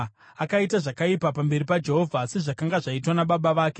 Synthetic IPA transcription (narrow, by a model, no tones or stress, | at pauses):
akaitaʐakaipapambe̞ɾipad͡ʒe̞ɦo̞vʱase̞ʐakaŋɡaʐaitwanaɓaɓaʋaːke